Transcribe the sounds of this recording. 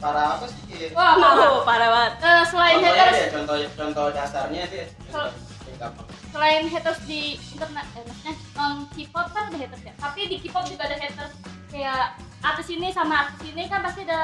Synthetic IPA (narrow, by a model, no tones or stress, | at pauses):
paɾaːt̪ʊsiiwamaɦopaɾawat̪̚əsəlaɪnhet̪ərst͡ʃɔnt̪ɔt͡ʃɔnt̪ɔhdasarɲadi | səl | əkap | səlaɪnɦɛt̪ərsdiint̪ərnat̪anaɲa | əŋkipɔt̪̚kanadahɦet̪ərsjat̪apidikipɔt̪̚d͡ʒuɡaːdaɦet̪ərskajaː | t̪ɪsinisamaːt̪ɪsinikanpast̪iada